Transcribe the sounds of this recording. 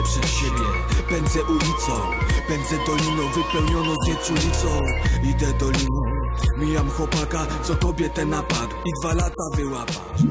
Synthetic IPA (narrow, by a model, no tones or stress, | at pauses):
pʂɛt̪ɕɛbʲjɛ | pɛnd̪zɛʔulʲit̪sɔ̃wpɛnd̪zɛd̪ɔlʲinɔvɘpɛwɲɔnɛd͡ʑɛt͡ɕiulʲit̪sɔ̃wid̪ɛd̪ɔlʲinumʲijamxwɔpakat̪sɔkɔbʲjɛt̪ɛnːapak̪id̪valat̪avɪwapa̰